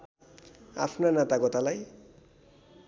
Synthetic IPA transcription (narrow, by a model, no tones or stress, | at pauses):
a̰pʰnanat̪aɡɔt̪alaj